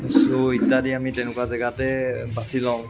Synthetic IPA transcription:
soitːadiamitɛnʊkuazɛɡatɛbasilãʊ̃

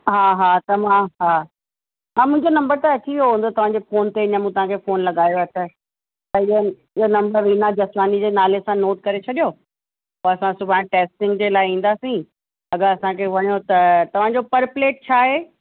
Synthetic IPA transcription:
ɦaːɦaːt̪ɐʋ̤ãɦaː | ãmʊ̃ɦɪ̃ɲd͡ʑonɐ̃mbəɾt̪ɐɐt͡ɕʰiʋioɦõn̆d̪ot̪ɐʋ̤ãːɲd͡ʑeːfoːnt̪eɐɲamũːt̪ɐʋ̤ãkʰefoːnlɐɡaːjoɐt̪ʰə | t̪ɐɪən | ɪɦonɐ̃mbəɾʋiːnad͡ʑɐsmaːnid͡ʑeːnaːlesãnoːʈkɐɾet͡ɕʰɐɗijo | poɐsãsʊbʱãʈeːsʈɪ̃ŋɡd͡ʑeːlaːɪĩːn̆d̪aːsĩ | ɐɡəɾɐsãkʰeʋɐɲijot̪ɐt̪ɐʋ̤ãɲd͡ʑopɐɾpleːʈ̚t͡ɕʰaːɦeː

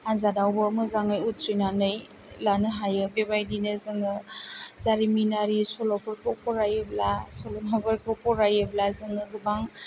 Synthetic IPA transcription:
anzadawbɯːmɯzaŋɯjutʰɾinanɯj | lanɯɦajɯbebajdinɯzɯŋɯzaɾiminaɾisɔlɔkʰɔɾkʰɯpɔɾajɯblasɔlɔmaɡɯɾkʰɯpɔɾajɯblazɯŋɯɡɯbaŋ

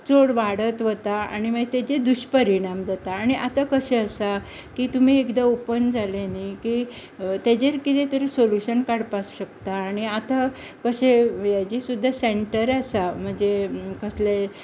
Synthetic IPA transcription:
t͡soɽʋaɽət̪ʋət̪aa̰ɽ̃im̤əd͡ʑet̪ed͡ʑed̪uɕpəɾiɽ̃amd͡zat̪aːɽ̃iʔat̪akəɕeəsa | kiːt̪um̤iːekd̪aopənd͡zʱaleniki | t̪ed͡ʑeɾkit̪et̪əɾisoluɕənkaɽpasɕəkt̪aːɽ̃iat̪a | kəɕejad͡ʑisud̪ʱːaseɳʈəɾasam̤əɳd͡zekəsle

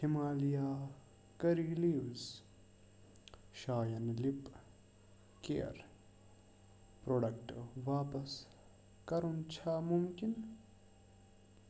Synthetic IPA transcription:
himaːlijaː | kɐɾiliːwz | ʃaːjɐnlip | kḛːɐ̰ɾ | pɾoːɖɐk̚ʈʋaːpɐs | kɐɾunt͡ʃʰamumkin

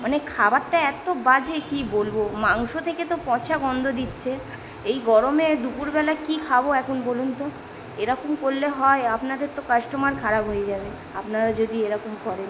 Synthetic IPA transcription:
manekʰabaɾʈːaɛt̪obad͡ʑekibolbomaŋʃot̪ʰeket̪opɔ̃t͡ɕʰaɡɔnd̪ʱod̪itːɕʰe | ejɡɔɾomed̪upuɾbɛlakikʰaboɛkʰunbolunt̪o | eɾɔkomkolːeɦɔeapnad̪eɾt̪okaʃʈomaɾkʰaɾabɦojed͡ʑabe | apnaɾad͡ʑod̪ieɾɔkomkɔɾen

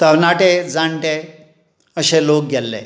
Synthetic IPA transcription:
t̪əɾnaʈed͡zãɳʈe | əɕelok̚ɡʱɛlːḛ

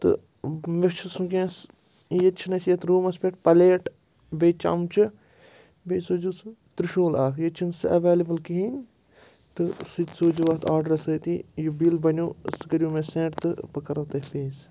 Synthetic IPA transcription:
t̪ɨ̰ | met͡ʃʰusũkʲẽːs | jet͡ʃʰinɐsjɐt̪ɾuːmɐspʲeʈ̚pɐleːʈ | beːt͡ʃa̰mt͡ʃʰɨ | beːsoːd͡ʒust̪ɾɨʃoːlaːkjet͡ʃʰinsɨʔɐʋeːlɐbɨlkiɦinʲ | t̪ɨsɨt̪ʲsoːd͡ʒuʋaːt̪ʰaːɾɖɐɾɐsɐːt̪ijubilbɐnʲoːsɨɡɐɾʲjuːmẽsẽːʈt̪ɨpɐkɐɾɐt̪ɐfeːs

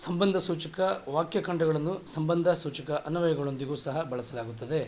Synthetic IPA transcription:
sɐmbɐnd̪ʱɐsuːt͡ʃɐkɐʋaːkjɐkɐɳɖɐɣɐɭɐnːusɐmbɐnd̪ʱɐsuːt͡ʃɐkɐʔɐnuʋɐjɐɡɐɭo̞nd̪iɡuːsɐɦɐbɐɭɐsɐlaːɡut̪ːɐd̪e̞

